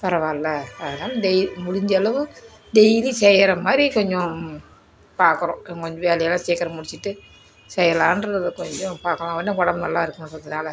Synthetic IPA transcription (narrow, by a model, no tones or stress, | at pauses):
pɐɾɐʋãːɪlːɐaːnamɖɛjmʊɽɪɲd͡ʒɐlɐʋɯ | ɖɛjlisɛjɐɾɐmaːɾikɔɲd͡ʒɔ̃ | paːɾkɯɾõkɔɲd͡ʒɔ̃ʋeːlɐjɐlãːseːkːɐɾɐmʊɽɪt͡ʃːɪʈːɯ | sɛjɐlaːndrɐɐðɯkɔɲd͡ʒɔ̃paːɾkɐlãːʋɐnɐkɔɽɐmnɐ̰lːaːɪɾɯkːɯmɾɐðɐnaːlɐ